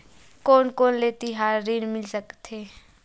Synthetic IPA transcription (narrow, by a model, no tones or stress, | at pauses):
koːnkoːnleːt̪iɦaːɾːiːɽmɪlsəkt̪eː